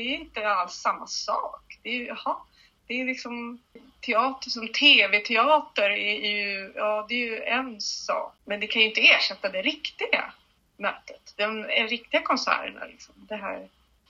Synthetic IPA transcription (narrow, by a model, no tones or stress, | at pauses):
d̪ɛæjɪnt̪əalsːamːasɑ̰ːkd̪̥ɛjjɑhɑ | d̪̥ɛːlɪksɔmt̪ʰɛɑːt̪əʂɔmt̪ʰeːvɛt̪ʰɛɑːt̪əɾɛjɵjɑːd̪ɛːjɵɛnsɑ̰ːkmɛnd̪ɛkʰanjʏɪnt̪əeːʂɛt̪ːad̪ɛɾɪkt̪ɪɡa̰ | mœːt̪ət̪d̪ɔmɛɾɪk̚t̪ɪɡakʰɔnsæ̰ːɾə̰ɳa̰lɪ̰ksɔmd̪ɛɦæ̰ː